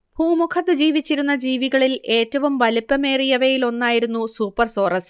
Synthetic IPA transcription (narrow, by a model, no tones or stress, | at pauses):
bʱuːmukʰɐt̪ːɨd͡ʑiːʋit͡ɕːiɾun̪ːɐd͡ʑiːʋiɣɐɭile̞ːtːɐʋumʋɐlupːɐmeːrijɐʋejilo̞nːaːjiɾunːusuːpːɐrso̞ːrɐs